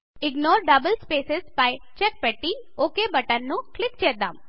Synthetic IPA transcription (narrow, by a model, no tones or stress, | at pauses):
ɪɡnoːɾɖɐbəlspeːsɪspajt͡ʃɛk̚pɛʈːi | oːkebɐʈənːũklɪk̚t͡ʃed̪a̰m